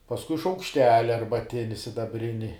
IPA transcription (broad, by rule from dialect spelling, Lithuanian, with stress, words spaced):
pɐsˈkʊɪ ʃɐʊkʃʲˈtʲæːlʲɪ ɐrbɐˈtʲɪnʲɪ sʲɪdɐˈbʲrʲɪnʲɪ